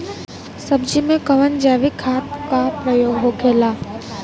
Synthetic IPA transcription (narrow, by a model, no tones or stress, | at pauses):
sɐbd͡ʒimẽkɐʋənd͡ʒaːʋikʰaːt̪kapɾəjoːɡɦoɡʱeːlaː